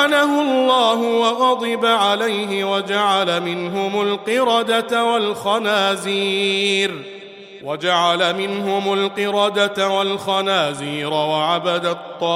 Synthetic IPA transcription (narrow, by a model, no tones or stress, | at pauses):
alahʊlˤːɑːɦʊwɑɣɑd̪ˤɨbaʕalajɦɪwad͡ʒaʕalamɪnɦʊmʊlqɨɾɑd̪at̪walxɑnaːziːɾ | wad͡ʒaʕalamɪnɦʊmʊlqɨɾɑd̪at̪awalxɑnaːziːɾawaʕabad̪at̪ˤːɑː